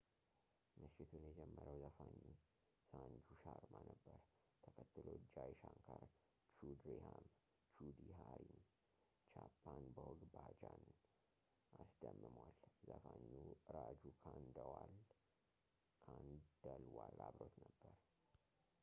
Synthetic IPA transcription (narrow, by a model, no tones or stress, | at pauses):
mɨʃɪt̪ʰunjɛd͡ʒɛmːəɾəwzəfaɲːu | sand͡ʒuʃaɾmanəbːəɾ | t̪ʰəkʰət̪ːɨlod͡ʒajʃaŋkʰaɾ | t͡ʃud̪ɾeham | t͡ʃud̪iɦaɾin | t͡ʃʰapʰːanbəwɔɡbad͡ʒan | ʔasd̪əmːɨmwalzəfaɲːuʔɨɾad͡ʒukʰand̪əwal | kʰand̪̥əlwalaβɾot̪nəbːəɾ